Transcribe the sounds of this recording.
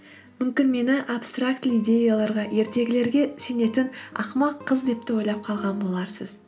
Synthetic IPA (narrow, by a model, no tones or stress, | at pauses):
mʏmkʲɪnme̞nɪʔapst̪rakt̪lijd̪ʲe̞jalˠɑɾʁɑje̞ɾt̪e̞ɡʲɪle̞ɾɡʲe̞se̞ne̞t̪ɪnɑ̰qmɑqʰːəzd̪e̞p̚t̪ɪwo̞jlˠɑp̚qʰɑlˠʁɑnbolˠɑɾsəz